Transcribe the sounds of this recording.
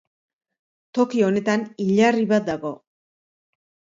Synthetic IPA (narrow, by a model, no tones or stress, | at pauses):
t̪o̞kio̞ne̞t̪aniʎariβat̪̚d̪aɣo̞